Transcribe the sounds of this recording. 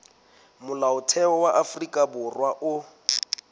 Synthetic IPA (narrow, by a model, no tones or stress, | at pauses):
mʊlaʊtʰɛɔwaʔafrikʼabʊrwaʔʊ